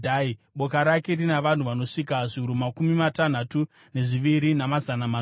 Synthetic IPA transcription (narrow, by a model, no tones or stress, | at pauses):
aiɓo̞kaɾake̞rinaʋan̤uʋano̞ʂikaʐiɦuɾumakumimatan̤atu | ne̞ʐiʋiɾinamazanama